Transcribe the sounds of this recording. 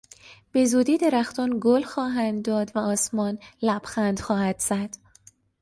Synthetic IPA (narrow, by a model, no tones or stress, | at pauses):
b̥e̞zuːd̪iːd̪eɾæxt̪ɒːnɡolxɒːɦænd̪ːɒːd̪væɒːsmɒːnlæb̥xænd̪̥xɒːhæd̪̥z̥æd̪̥